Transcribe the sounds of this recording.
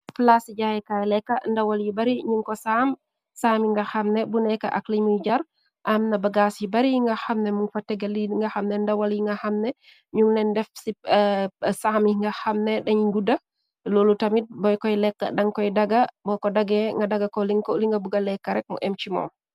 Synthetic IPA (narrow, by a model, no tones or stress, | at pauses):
plasid͡ʒajɛkaɛlɛkːandawaljibaɾiɲuŋkɔsam | samiŋɡahamnɛbunɛka̰ʔa̰klimid͡ʒaɾ | ʔamnabaɡasibaɾiŋɡahamnɛmunfatːɛɡaliŋɡahamnɛndawaljiŋɡahamnɛ | ɲuŋnɛndɛfsi | samiŋɡahamnɛɗɛɲɡuda | lolutamit̚bɔjkɔjlɛkːa̰ɗaŋkɔjdaɡabɔkɔdaɡɛŋɡadaɡakɔliŋkɔliŋɡabuɡalːɛkːaɾɛk̚mɔ̰ʔɛmt͡ʃimɔ̰